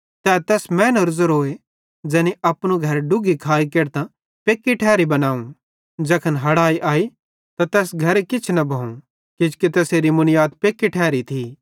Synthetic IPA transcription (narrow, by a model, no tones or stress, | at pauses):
t̪ɛt̪ɛːsmɛ̃ːnəɾzəɾɦoːe | d͡ʒɛːniʔɐpñuɡʱɐɾɖʊɡikʰaːikeːɾt̪ã | peːkːiʈʰɛːɾibɐnaːũ | d͡ʒɛkʰənɦɐɽaːiʔaːi | t̪at̪ɛːsɡʱɐɾekɪt͡ʃʰnɐbʱɐũ | kɪd͡ʒket̪ɛːseːɾimʊnɪjaːt̪peːkːiʈʰɛːɾit̪ʰi